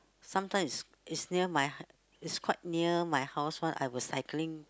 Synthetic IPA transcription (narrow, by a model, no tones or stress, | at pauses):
sãmtʰãɪ̃mis | itsniəmaj | itskʰwaɪt̚niəmajhaʊswãnʔa̰jwɔssaɪklĩŋ